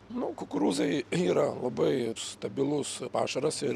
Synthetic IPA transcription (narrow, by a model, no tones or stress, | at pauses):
nʊkʊkʊɾuːzɐɪiːɾɐlˠɐbɐɪst̪ɐbʲɪlˠʊspɑ̰ːʃɐɾɐsɪɾ